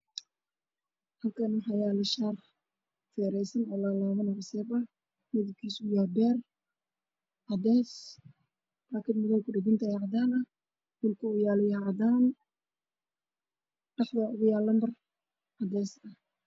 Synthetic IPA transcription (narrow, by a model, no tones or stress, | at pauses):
hɐlkʰɐnʊħɑjaːlɪʃaːr | fɛːɾɛjsɐnɔlaːlaːβɐnɐrsɛːbɐ | mɪðɪb̚kʰiːsʊjaːbɛːr | ʕɑd̪ɛːs | braːkʰɪd̪mɪðaːkʰʊɖɪɡɪnt̪ʰɐʕɑd̪aːnɐ | wɪlkʰʊʊjaːlɪjʕd̪aːn | ɖ̥ɑħdɐʔʊɣʊjaːlɐmbɐr | ʕɑd̪ɛːsɐ